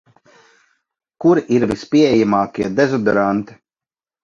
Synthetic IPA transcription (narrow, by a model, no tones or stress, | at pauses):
kuɾiʔiɾvispʲiɛɛjamaːkʲiɛd̪ezɔd̪ɛɾant̪i̥